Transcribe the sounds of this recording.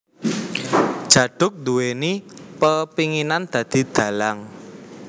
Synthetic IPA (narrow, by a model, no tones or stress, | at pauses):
d̥ʒ̥ä̤ɖ̥ʊ̤k̚d̪uenipəpiŋinand̪̥ä̤d̪̥i̤d̪̥ä̤laŋ